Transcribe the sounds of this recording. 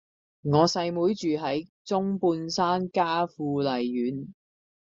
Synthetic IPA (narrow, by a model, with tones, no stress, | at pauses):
ŋɔː˨˧sɐ˧jmuː˨˥jt͡ʃyː˨ɦɐ˨˥j | t͡sʊ˥ŋpuː˧nsaː˥nkaː˥fuː˧lɐ˨jːyː˨˥n